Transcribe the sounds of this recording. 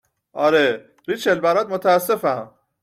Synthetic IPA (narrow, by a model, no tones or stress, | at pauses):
ʔɒːɾe | ɾit͡ʃʰelbæɾɒːd̪̚mot̪ʰæːsːe̞fæm